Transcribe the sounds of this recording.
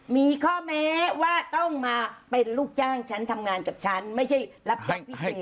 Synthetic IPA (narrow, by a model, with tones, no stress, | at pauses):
miː˧kʰɔː˥˩mɛː˦˥waː˥˩t̪ɔ˥˩ŋmaː˧pe˧nluː˥˩k̚jaː˥˩ŋt͡ɕʰa˦˥nt̪ʰa˧mŋaː˧nkaː˨˩p̚t͡ɕʰa˦˥nma˥˩jt͡ɕʰa˥˩jla˦˥p̚t͡ɕa˩pʰi˦˧eː˨˩